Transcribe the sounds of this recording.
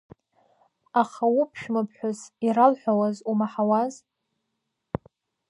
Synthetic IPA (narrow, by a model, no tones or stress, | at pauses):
aχawupʰʃᶣmɨpʰħʷᶣʊziralħʷᶣawazumaħawaz